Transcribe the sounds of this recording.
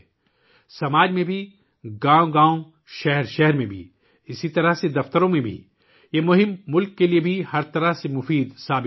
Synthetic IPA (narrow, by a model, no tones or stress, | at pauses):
sɐmaːd͡ʒmẽbʱi | ɡãːõɡãːõ | ʃɛɦɾʃɛɦɛɾmẽbʱḭ | ɪsit̪ɐɾəɦsed̪ɐft̪əɾõmẽbʱḭ | jemʊɦɪmːʊlkːeliebʱihɐɾt̪ɐɾəɦsemʊfiːd̪saːbɪ